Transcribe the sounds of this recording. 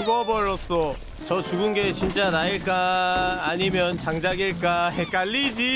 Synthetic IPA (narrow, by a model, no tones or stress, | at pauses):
ɡʌbʌɾːʌs͈ʌ | t͡ɕʌt͡ɕuɡɯnɡe̞t͡ɕint͡ɕ͈anaiɭk͈aː | ɲimjʌnt͡ɕaŋd͡ʑaɡiɭk͈ahek͈aʎːid͡ʑi